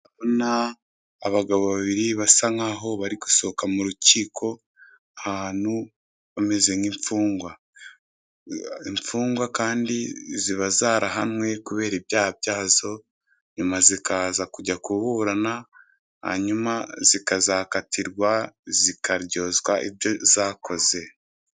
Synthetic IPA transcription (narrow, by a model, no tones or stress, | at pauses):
aβonaː | βaɡaβoβaβiɾiβasaŋaɦo̞βaɾiku̥so̞kamuɾuciːkʰo̞ | ahaːnhu | βame̞ze̞ŋimfuːŋɡwa | iɱfuːŋɡwakaːndiziβazaːɾaɦanwe̞kuβe̞ːɾibjaːhabjaːzo̞ | ɲumazikaːzakuɟakuβuːɾana | ha̰ɲumaz̥ikazakatʰiɾɡwazikʰaɾɟo̞zwaʔḭβjo̞zaːko̞ze̞